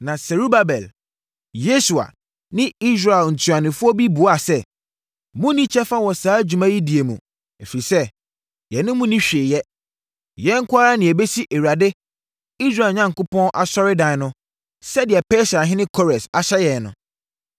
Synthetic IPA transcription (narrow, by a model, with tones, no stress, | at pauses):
nã˨sɛ˨ɾu˦ba˨bɛ˨l | je˦su˨a̰˨ | nɪ̃˦i˦s̬ɾa˨ɛ˨ln̩˨tʰu˨a˨nɪ̃˨fʊ˦ɔ˦bi˦bu˨˦a˨sɛ˦ | mʊ̃˦nĩ˦t͡ɕʰɛ˦fa˦wɔ˨saː˨˦d͡ʑᶣu˨mã˦ji˦di˨e˨mũ˨ | e˨fi˨i˨sɛ˦ | jɛ˨nʊ̃˦mũ˦nĩ˦ɕᶣɪː˨jɛ˦ | jɛ̃˦ŋ̩˦kʰʊ˦a˦ɾa˦nɪ̃˨æ˨be˦si˦ʔe˨wu˨ɾa˨dɪ˦ | i˦sɾa˨lɲã˦ŋ˨kʊ˦pɔ̃˦nʔa˨sɔ˦ɾɪ˦dã˨n˦nʊ̃˦ | sɛ˦dɪ˨ɛ˨pɛ˦sa˨ɦɪ̃˦nɪ̃˦kʰɔ˦ɾɛ̃˨sa˨ɕɛ˦jɛ˨nʊ̃˨